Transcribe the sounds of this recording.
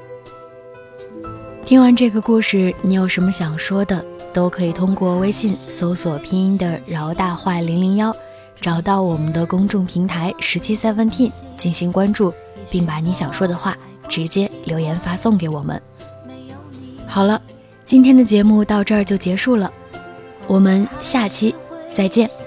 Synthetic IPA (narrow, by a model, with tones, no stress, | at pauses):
t̪ʰi˥ŋwa˧˥nʈ͡ʂɤ˥˩ɡə˩ku˥˧ʂɻ̩˥˩ni˧˥jo˨˩ʊʂə˧˥nmə˧ɕjɑ˨˩ŋʂwɔ˥d̪ə˨t̪o˥ʊkʰɤ˧˥i˨˩t̪ʰʊ˥ŋkwɔ˥˩we˥ɪɕi˥˩nsɔ˧˥ʊswɔ˨˩pʰi˥nd̪ə˨ɻɑ˧˥ʊt̪a˥˧xwa˥˩li˧˥nli˧˥ŋjɑ˥ʊ | ʈ͡ʂɑ˨˩ʊt̪ɑ˥˩ʊwɔ˨˩mə˦nd̪ə˧kʊ˥ŋʈ͡ʂʊ˥˩ŋpʰi˧˥ŋt̪ʰa˧˥ɪʂɻ̩˧˥t͡ɕʰi˥sa˥˧wə˥nt̪ʰi˥˧n | t͡ɕi˥˩nɕi˧˥ŋkwa˥nʈ͡ʂu˥˧ | pi˥˩ŋpa˧˩ni˧˥ɕjɑ˨˩ŋʂwɔ˥d̪ə˨xwa˥˩ | ʈ͡ʂɻ̩˧˥t͡ɕjɛ˥ljo˧˥ʊjɛ˧˥nfa˥sʊ˥˩ŋke˧˥ɪwɔ˨˩mə̰˦n | xɑ˨˩ʊlə˦ | t͡ɕi˥nt̪ʰjɛ˥nd̪ə˨t͡ɕjɛ˧˥mu˥˧t̪ɑ˥˧ʊʈ͡ʂɤ˥˩˧t͡ɕjo˥˩ʊt͡ɕjɛ˧˥ʂu˥˩lə˩ | wɔ˨˩mə˧˦nɕja˥˩t͡ɕʰi˥t͡sa˥˧ɪt͡ɕjɛ˥˩n